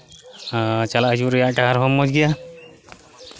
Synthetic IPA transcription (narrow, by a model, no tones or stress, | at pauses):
t͡ʃalaʔəd͡ʒuɾɛjaʔʈaɦaɾɦɔmːɔd͡ʒɡija